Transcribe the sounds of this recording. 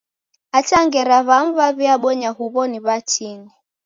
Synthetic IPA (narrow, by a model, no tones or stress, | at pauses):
at͡ʃaŋɡɛɾaβam̩βaβiaɓɔɲahuβɔniβat͡ʃini